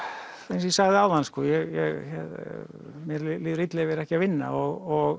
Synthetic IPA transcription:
ensjisaɣðɪaːwðanskɔːjɛɣjɛɣçɛ̰ð | mjɛɾlliːðɾit̪lɛvɛɾɛhcɪavɪnːa̰ɔɣɔɣ

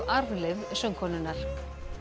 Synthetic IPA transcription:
ʔaɾðlɪvsœŋkʰɔːnʏnːaɾ̥

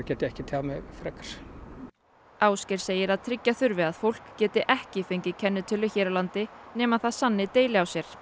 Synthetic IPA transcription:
cɛːt̪ɪɛhcɪt̪ʰamɛfɾɛkḁɾ̥ | aːwscɛɾ̥seːjɪɾaðt̪ʰɾɪcːaθʏɾvɪaðfowl̥kcɛːt̪ɪʔɛhcɪfeɲcɪcʰɛnːɪt̪ʰɪlʏçɛːɾawlant̪ɪnɛːmaðθaðsanːɪt̪eːjlɪawsjɛɾ̥

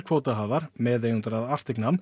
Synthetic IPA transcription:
kʰvowt̪aɦaːvaɾ̥mɛðejʏnt̪aɾaðar̥t̪ɪknam

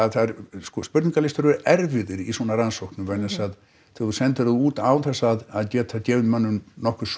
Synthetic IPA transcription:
aðθaɾsɔspʏɾt̪niŋkalɪst̪ʏɾɾɛɾvɪðɪɾisɔnaransowhknʏvɛnɛsað | θɪθusɛnt̪ɪɾðuuːt̪aːw̪θɛsːaaðaðcɛːt̪ʰacɛːvɪnmœnːʏmnɔhkʏ̥s

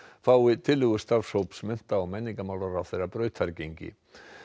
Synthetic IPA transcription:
faːwɪt̪ʰɪlːʏɣʏst̪avshowpsmɛn̥t̪aːwmɛnːiŋkamawlaɾawθejrːapɾœːɥt̪ʰaɾcejɲcɪ̰

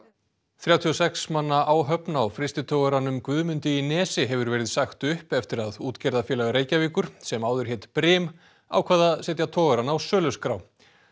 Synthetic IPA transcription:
θjawt̪ʰiɔsɛksmanːaʔaːwɦœpnawfɾɪst̪ɪt̪ʰoːɣaɾanʏmkvʏðmʏnt̪ɪinɛːsɪɦɛvʏɾvɛːɾɪðsaxt̪ʏhpɛft̪ɪɾaðuːt̪cɛɾðafjɛːlaɣaɾeːjcaviːkʏɾ̥sɛmawðʏɾ̥çeːt̪pɾɪːm | a̰wkʰvaːðasɛːt̪jat̪ʰɔːɣaɾanawsœːlʏskɾaw

